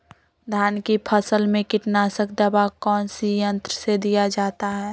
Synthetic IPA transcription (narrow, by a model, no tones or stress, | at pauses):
d̪ʱaːnkipʰəsəlmẽkɪʈnasək̚d̪əbakɔːnsijə̃nt̪ɾəsed̪ijad͡ʒaːt̪aɦɛː